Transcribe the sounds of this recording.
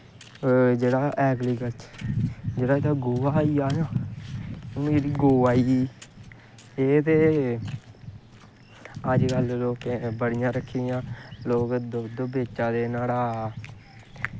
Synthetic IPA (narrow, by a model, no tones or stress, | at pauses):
d͡ʒeːɽaːʔɛːɡliːɡəlt͡ʃ | d͡ʒeːɽaːd̪aːɡoːaːiːaːjãː | mːɾiːɡoːaːiːiː | eːt̪eː | əd͡ʒɡəlloːkẽbəɽɪjãːɾəkʰːiːjãːloːkd̪od̪beːt͡ʃãːd̪eːnaːlaː